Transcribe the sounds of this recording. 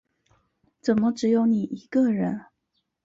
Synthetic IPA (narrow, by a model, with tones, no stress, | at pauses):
t͡sə˨˩nmə˦ʈ͡ʂɻ̩˨˧˥jo˧˥ʊni˨˩ʔi˧˥kə˧ɻə˧˥n